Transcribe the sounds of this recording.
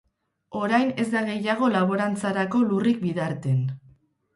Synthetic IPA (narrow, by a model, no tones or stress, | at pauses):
o̞ɾajne̞zd̪aɣ̞e̞jaɣ̞o̞laβ̞o̞ɾant͡saɾako̞lurik̚biðaɾt̪e̞n